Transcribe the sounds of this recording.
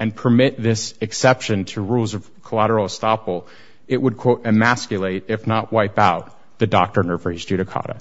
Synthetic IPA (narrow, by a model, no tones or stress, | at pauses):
ɨ̃npʰə˞mɪt̪̚ðɪsɨksɛpʃɨ̃ntʰɨɹulˠzʌv̥kʰəlæɾə˞l̩ˠstɑpl̩ˠ | ɪʔ̚wəd̚kʰw̥oʊɾɨmæskjɨlˠeɪɾɪfnəʔ̚waɪpaʊt̪̚ | ðɨdɑk̚tə˞nɜ˞və˞ɨzdʉɾɨkʰɑ̰ɾə̰